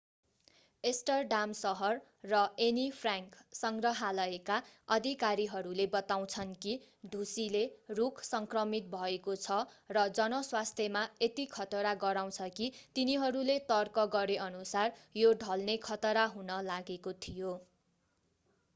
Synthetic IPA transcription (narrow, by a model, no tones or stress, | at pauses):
esʈʌrɖamsʌɦʌrː | ʌenipʰraŋksʌŋɡrʌɦalʌekaʌd̪ʱikaɾiɦʌɾulebʌt̪aw̃t͡sʰʌnki | d̪ʱusilerukʰsʌŋkrʌmit̪̚bʱʌekot͡sʰʌrʌd͡zʌnʌswast̪ʰjemaet̪ikʰʌt̪ʌɾaɡʌɾaw̃t͡sʰʌkit̪iniɦʌɾulet̪ʌrkʌɡʌɾeʌnusarjoɖʱʌlnekʰʌt̪ʌɾaɦunʌlaɡekot̪ʰijo